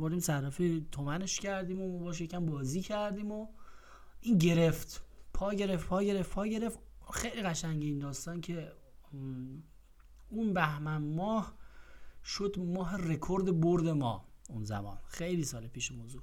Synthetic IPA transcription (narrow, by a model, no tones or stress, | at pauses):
boɾd̪iːmsærɒfit̪ʰomæne̞ʃcʰæɾd̪iːmomɔbɒʃjecʰæmbɒːziːcʰæɾd̪iːmo | iːnɟe̞ɾe̞ft̪pʰɒːɟe̞ɾeft̪pʰɒːɟe̞ɾefpʰɒːɟe̞ɾeft̪ | xejliɣæʃæŋɟeiːnd̪ɒːst̪ɒːncʰe̞ | unbæhmænmɒːh | ʃod̪mɒːɦe̞re̞kʰoɾd̪e̞boɾd̪e̞mɒ̰ːunzæ̰mɒ̰ːnxejlisɒːlepʰiːʃemozu